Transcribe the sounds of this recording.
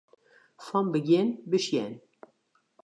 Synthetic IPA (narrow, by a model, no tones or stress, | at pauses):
fɑmbɨɡenbɨʃjɛn